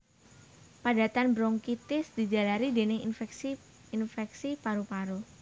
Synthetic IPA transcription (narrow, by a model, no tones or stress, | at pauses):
pada̤t̪anbɾɔŋkit̪ɪsd̪̥i̤d͡ʒa̤laɾidenɪŋfksi | infɛksipaɾupaɾu